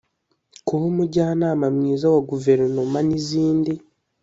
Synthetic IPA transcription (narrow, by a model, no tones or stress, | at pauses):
kuhomuɟaːnaːmamŋiːzawaɡuve̞ɾnomaniziːndi